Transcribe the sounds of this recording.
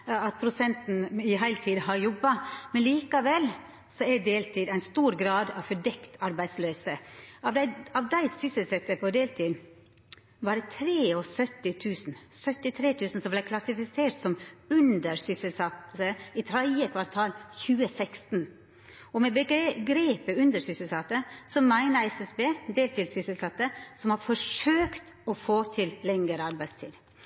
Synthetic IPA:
ɑt̪̚pʰɾʊsɛnt̪n̩ɪɦæɪlt̪ʰiːd̪hɑɾjɔbːɑmɛnliːkɑʋɛl | sɔɛd̪eːlt̪ʰiːd̪æɪnst̪uːɾɡɾɑːd̪ɑʋfɔɖɛkt̪ʰɑɾbæɪd̪sløːsəɑʋd̪æɑʋd̪æɪsʏsəlsɛt̪ːəpʰɔd̪eːlt̪ʰiːd̪n | ʋɑɖɛt̪ʰɾeːɔsœt̪ːɪt̪ʰʉːsn̩sœt̪ːɪt̪ʰɾeːt̪ʰʉːsn̩sɔmblæɪkʰlɑsɪfɪseːʈsɔmʉnd̪əɾsʏsəlsɑt̪əɪt̪ʰɾæɪəkʰʋɑɾt̪ʰɑːlçʉːəsɛkst̪n | ɔmɛbəɡɾeːpəʉnd̪əsʏsəlsɑt̪əsɔmæɪnəɾɛsɛsbeːd̪eːlt̪ɪlsʏsəlsɑt̪ːəsɔmhɑɾfɔʂøːkt̪ɔfoːt̪ʰɪllɛŋəɾəɑɾbæɪd̪st̪ʰḭːd̪

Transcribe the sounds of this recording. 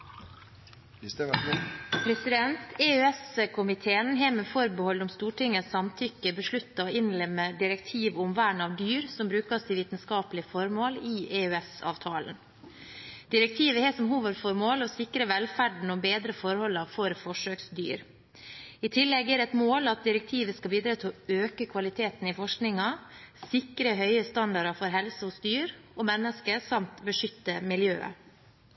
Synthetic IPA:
pʰɾɛsɪd̪ɛnt̪eːøɛskʰʊmɪt̪ʰeːənɦeːmɛfɔɾbəhɔlːʊmst̪uːʈʰɪŋːəsɑmt̪ʰʏkəbəʂɭʉt̪ːɑoːɪnlɛmːəd̪ɪɾɛkt̪ʰiːʋʊmʋæːɳɑːʋd̪yːɾsɔmbɾʉːkɑst̪ɪʋiːt̪n̩skɑːplɪfɔɾmoːliːʔeːøɛsɑ̰ːʋt̪ʰɑːlə̰n | d̪ɪɾɛk̚t̪ʰiːʋəhɛːsɔmɦuːʋəd̪fɔɾmoːlɔsɪkɾəʋɛlfæɖɳ̩ɔbeːd̪ɾəfɔɾhɔlːɑfɔɾfɔʂøːksd̪y̰ːɾ | ɪt̪ʰɪlːɛɡːæːɾɛt̪moːlɑt̪̚d̪ɪɾɛk̚t̪ʰiːʋəskɑbiːd̪ɾɑːt̪ʰɪlɔøːkəkʰʋɑlɪt̪ʰeːt̪n̩ɪfɔʂknɪŋɑsɪkɾəɦœʏəst̪ɑnd̪ɑɾɑfɔɾɦɛlsəhʊsd̪yːɾɔmɛnːəskəsɑmt̪bəʂʏt̪ːəmɪljø̰ːə̰

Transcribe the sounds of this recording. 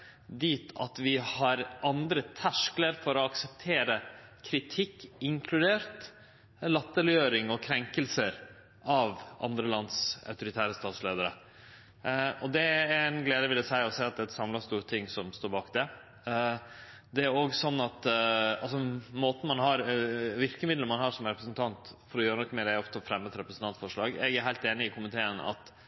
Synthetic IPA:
d̪iːt̪ʰɑ̰t̪ʋɪhɑɾɑnd̪ɾət̪ʰæʂkləɾfɔɾɔɑksɛp̚t̪ʰeːɾəkʰɾɪt̪ʰɪkːɪŋkʰlʉd̪eːɾt̪ | lɑt̪ːəlɪøːɾɪŋɔkʰɾɛŋkəlsəɾ | ʔɑʋʔɑ̰nd̪ɾəlɑnd̪sœ̰ʉt̪ʊɾɪt̪ʰæːɾəst̪ɑːt̪sleːd̪əɾə̰ | ɔd̪ɛæɾnɡleːd̪əʋɪləsæɪɔsæɪɑt̪̚d̪ɛːɛt̪sɑmlɑst̪uːɾt̪ʰɪŋːsɔmst̪oːɾbɑːkd̪ɛ | d̪ɛæɾoːɡsɔnːɑt̪ɑls̬ɔmoːt̪n̩mɑnɦɑɾʋɪɾkəmɪd̪ləmɑnhɑːʂɔmɾɛpɾəsnt̪ʰɑnt̪fɔɾɔjøːɾənɔkːmɛːɾæɔft̪əfɾɛmːət̪ɾɛpɾəsn̩t̪ɑnt̪fɔʂɭɑːɡɛ̰ɡæɾɦæɪlt̪eːnɪɪkʰʊmɪt̪ʰeːənɑ̰t̪

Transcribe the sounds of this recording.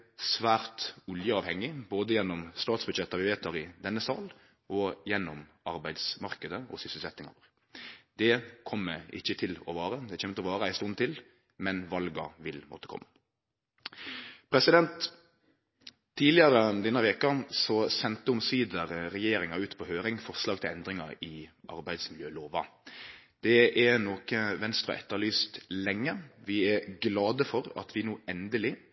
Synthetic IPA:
sʋæːɾt̪ʊljəɑːʋhɛŋːɪboːd̪əjɛnːɔmst̪ɑːt̪sbʉd̪ʃɛt̪ːɑʋɪʋeːt̪̚ːɑʁɪd̪ɛnːəsɑːl | ɔjɛnːɔm | ɑɾbæɪd̪smɑɾkəd̪əɔ̰sʏsəl̩sɛt̪nɪŋɑ̰ɾ | d̪ɛkʰɔmːəɪ̰çːət̪ʰɪlɔ̰ʋɑːɾəd̪ɛçøːmət̪ɔʋɑːɾəæɪst̪ʊnt̪ʰɪl | mɛnʋɑlɡɑ̰ʋɪlmɔ̰t̪ːə̥kʰɔ̰mːə | pʰɾɛsɪd̪ɛnt̪ | iːlɪɑɾəd̪ɛnːɑʋɛkɑsɔsɛnt̪əʊmsyːd̪əʁʁɛjeːɾɪŋɑʉːt̪pʰɔhøːɾɪŋfɔʁʂlɑːɡ̚t̪ʰɪlɛnd̪ʁɪŋɑɪʔɑ̰ɾbæɪd̪smɪljøːloːʋɑ̰ | d̪̥ɛʔɛnoːkəʋɛnst̪ʁə̰ʔɛ̰t̪ːəɭyːst̪lɛŋːəʋɪɛɡlɑːd̪əfɔɾɑ̰t̪ʰʋɪnuːɛnd̪əlɪ

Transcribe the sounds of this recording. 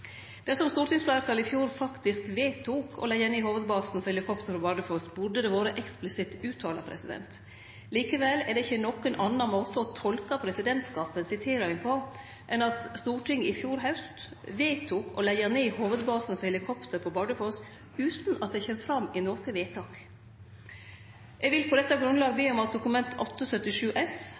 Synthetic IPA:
d̪̥ɛsɔmst̪uːʈʰɪŋsflɑɾt̪ɑːlɪfjuːɾfɑkt̪ɪskʋeːt̪ʰuːkʰɔ̰lɛɪəneːhoːʋəd̪bɑːsn̩fɔɾhɛlɪkʰɔpt̪ʰəɾpʰɔbɑɖəfɔsbʊɖəd̪ɛʋoːɾəʔɛksplɪsɪt̪ʉːt̪ʰɑːlɑ̰pʰɾɛ̰sɪd̪ɛ̰nt̪ | liːkəʋɛlːɛɖɛɪçːənɔkːənʔɑnːɑmoːt̪əɔt̪ʰɔlkɑpʰɾɛsɪd̪ɛnt̪skɑːpənsɪt̪ʰeːɾɑɪŋpʰɔ | ʔɛnɑt̪st̪uːʈʰɪŋɪfjuːɾɦaʉst̪ | ʋeːt̪ʰuːkɔ̰læɪəneːhoːʋəd̪bɑːsnfɔɾhɛlɪkʰɔpt̪ʰəɾpʰɔbɑɖəfɔs | ʉːt̪nɑt̪̚d̪ɛçɛmfɾɑmɪnɔːkəʋeːt̪ʰɑːk | ʔɛɡʋɪlpʰɔd̪ɛt̪ːɑɡɾʉnlɑːɡəbeːɔmɑt̪̚d̪ʊkʉmɛnt̪ʰɔt̪ːɔsœt̪ːɪʂʉːʔɛs

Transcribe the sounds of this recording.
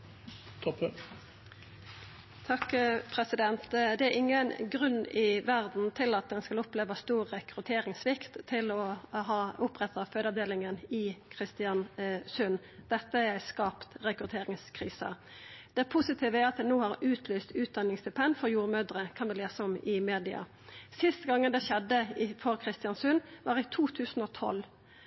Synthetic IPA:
t̪ʰɑkpʰɾɛsɪd̪ɛnt̪d̪ɛæɾɪŋːənɡʁʉnːɪʋæʁd̪n̩t̪ʰɪlɑt̪̚d̪ɛnskɑlʊpleːʋɑst̪uːʁːɛkʁʉt̪ʰeːɾɪŋsʋɪkt̪ʰːɪlɔɦɑːʊpʁɛt̪ɑføːd̪ɑʋd̪eːlɪŋənɪkʰʁɪst̪ɪɑnsʉn | d̪̥ɛt̪ːəææɪskɑːpt̪ʁɛkɾʉt̪ʰeːɾɪŋskʰʁiːsə̰ | d̪̥ɛpʰʊsɪt̪ʰiːʋəæʁɑt̪̚d̪ɛnoːhɑʁʉːt̪ʰlyːst̪ʉːt̪̚d̪ɑnːɪŋsd̪ɛpʰɛnfɔʁjuːʁmøːd̪ʁəkʰɑnʋɪleːsəɔmɪmeːd̪ɪɑ̰ | sɪst̪əɡɑŋːənd̪ɛʃɛd̪ːəɪfɔʁkʰʁɪst̪ɪjɑnsʉnʋɑːʁɪt̪ʰuːt̪ʰʉːsn̩ɔt̪ʰɔ̰lː

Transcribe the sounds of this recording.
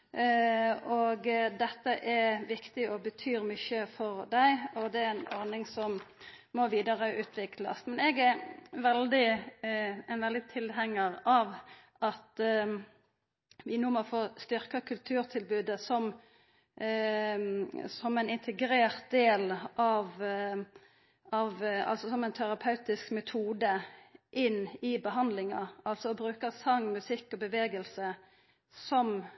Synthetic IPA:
oɡd̪ɛt̪ːəʔɛɾʋɪkt̪ɪɔbət̪ʰyːɾmʏçəfɔʁd̪æɪɔd̪ɛænɔʁnɪŋsɔm | mɔʋiːd̪ɑʁəʔʉːt̪ʰʋɪkʰlɑ̰smɛnɛɡɛɾʋɛld̪ɪ | ɛnʋɛld̪ɪt̪ʰɪlɦɛŋːəʁɑʋ | ʔɑt̪ | ʋɪnuːmɔfoːst̪ʏɾkɑkʰʉlt̪ʰʉːʁt̪ʰɪlbʉːd̪əsɔm | sɔmɛɪnɪnt̪ʰəɡɾeːʁt̪̚d̪eːlʔɑʋ | ɑʋɑ̰lsɔsɔmɛɪnt̪ʰæɾɑpʰɑʉt̪ɪskmɛt̪ʰuːd̪əʔɪnːɪbəɦɑnd̪lɪŋɑɑlsɔɔbɾʉːkəsɑŋːmʉsɪkːɔbəʋeːɡəlsə | sɔm

